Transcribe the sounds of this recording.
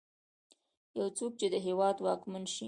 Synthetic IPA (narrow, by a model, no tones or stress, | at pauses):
jawt͡sok̚t͡ʃed̪əɦewɑd̪wɑkmanʃi